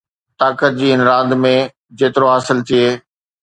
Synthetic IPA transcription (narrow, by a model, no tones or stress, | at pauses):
t̪aːkət̪̚d͡ʑiːɪnɾaːd̪mẽ | d͡ʑeːt̪ɪɾoɦaːsɪlt̪ʰieː